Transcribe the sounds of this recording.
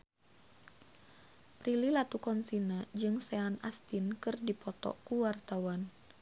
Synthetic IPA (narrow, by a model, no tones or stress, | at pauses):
pɾililat̪ukɔnsinad͡ʒɨŋsɛanast̪inkɨrdipɔt̪ɔ̰kuwart̪awan